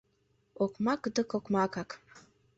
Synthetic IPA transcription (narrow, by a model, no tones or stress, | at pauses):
okmɑkd̪əkokmɑkɑk